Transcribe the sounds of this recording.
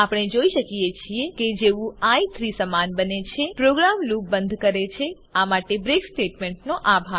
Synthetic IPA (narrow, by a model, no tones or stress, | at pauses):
apɽ̃ed͡ʒoiʃəkijet͡ʃʰieked͡ʒeʋũait̪ʰɾisəmanbənet͡ʃʰepɾoɡɾamluk̚bənd̪ʱkəɾet͡ʃʰe | amaʈebɾeksʈeʈmeɳʈnoʔabʱa